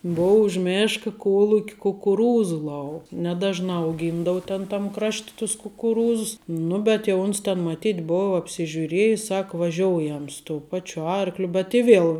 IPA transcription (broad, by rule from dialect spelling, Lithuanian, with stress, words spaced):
ˈboːʊ ʊʃ ˈmʲeːʃkɐ ˈkuɔlˠʊkʲ kʊkʊˈruːzʊ ˈlˠɐʊ nʲɛˈdɑːʒnɑː ɐʊˈɡʲiːndɐʋʊ ˈtʲɛn tɐm ˈkrɐʃʲtʲ tʊs kʊkʊˈruːzʊs ˈnʊ bʲɛt jɛʊ ˈʊns tʲɛn mɐˈtʲiːtʲ ˈboːʋɐ ɐpʲsʲɪʒʲʊˈrʲiɛjɪs ˈsɐk ʋɐˈʒʲoːʊjɛm sʊ toːʊ ˈpɑːt͡ʃʲʊ ˈɐrklʲʊ bʲɛt ɪ ˈʋʲiɛlˠ